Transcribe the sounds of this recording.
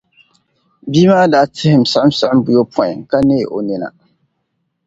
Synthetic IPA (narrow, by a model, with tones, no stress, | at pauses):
biː˦maː˦daː˦tʰɪ˦hɪ˨m̩˨sa˦ʔɨ˦msa˨ʔɪ˦mbu˨˦jo˦pʰɔ˦˨ɪ˨ŋka˦neː˦˨ʔo˨nɪ˨na̰˨